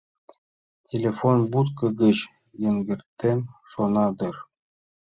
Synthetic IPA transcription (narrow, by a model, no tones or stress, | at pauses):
tʲʰelʲefonbut̪kɤ̆ɡɘ̆t͡ɕ | jɘ̆ŋɡʲɘ̆rt̪ːemʲʂonɑd̪ɤ̆r